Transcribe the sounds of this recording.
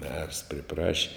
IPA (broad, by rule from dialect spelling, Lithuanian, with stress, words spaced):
mʲɛrs pʲrʲɪˈprɑːʃʲɪ